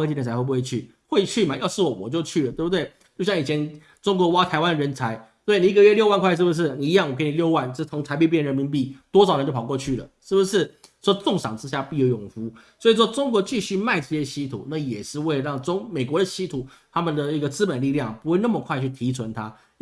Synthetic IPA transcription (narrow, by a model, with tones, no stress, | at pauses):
t͡ɕi˧˩t͡sa˧˥˧u˧we˥˧˩t͡ɕʰy˥˩ | xwe˥˧ɪt͡ɕʰy˥˩ma˨jɑ˥˧ʊʂɻ̩˥˩wɔ˨˩wɔ˨˩t͡ɕjo˥˧ʊt͡ɕʰy˥˩lə˩t̪we˥˩btwe˥˩ɪ | t͡ɕo˥˩ʊɕjɑ˥˩ŋi˨˩t͡ɕʰɛ˧˦n | ʈ͡ʂʊ˥ŋkwɔ˧˥wa˥t̪ʰa˧˥ɪwa˦nd̪ə˨ɻə˧˥nt͡sʰa˧˥ɪt̪we˥˩ɪni˨˩i˥˩ɡə˧ɥɛ˥ljo˥˧wa˥˧nkʰwa˥˧ɪʂ̬̩˥˩bu˩ʂ̬ɻ̩˥˩ni˨i˧˥jɑ˥˩ŋwɔ˨˩k̬ə˥ni˨˩ljo˥˧ʊwa˥˩nt͡ɕt͡sʰʊ˧˥ŋt͡sʰa˧ɪp̬i˥˧p̬jɻmi˧˥npi˥˩t̪wɔ˥sɑ˨ʊɻə˧nt͡ɕjo˥˩pʰkwɔ˥˧t͡ɕʰy˥˩lə̰˩ʂɻ̩˥˩bu˩ʂɻ̩˥˩ | ʂwɔ˥t͡sʊ˥˨˩ŋʂɑ˨˩ŋʈ͡ʂɻ̩˥ɕja˥˧pi˥˧jo˧˩jʊ˨˩ŋfu˧˥swɔ˧˥i˨˩ʂwɔ˥ʈ͡ʂʊ˥ŋkwɔ˧˥t͡ɕi˥˧ɕy˥˧ma˥˧ɪʈ͡ʂɤ˥˧ɕjɛ˦˥ɕi˥t̪ʰṵ˨˩na˥˩jɛ˨˩ʂɻ̩˥˧we˥ɪə˨˧ɻɑ˥˩ŋʈ͡ʂʊ˥ŋme˨˩ɪkwɔ˧˥˦d̪ə˨ɕi˥t̪ʰu˨˩ | t̪ʰa˥mə˨nd̪ə˩i˧˥ɡə˨t͡sɹ̩˥pə˨˩nli˥˧ljɑ˥˩ŋpu˧˥xwe˥˧ɪna˥˩mə˩kʰwa˥˧ɪt͡ɕʰy˥˩t̪ʰi˧˥t͡sʰwə˧˦nt̪ʰa˥